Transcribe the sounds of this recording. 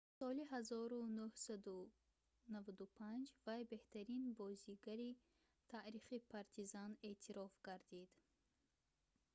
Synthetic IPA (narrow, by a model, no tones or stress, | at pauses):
sɔliɦazɔɾunuhsad̪u | navad̪upʰand͡ʒvajbe̞ht̪ʰaɾinbɔziɡaɾi | t̪ʰaʔɾiχipʰaɾt̪ʰizane̞ʔt̪ʰiɾɔfɡaɾd̪id̪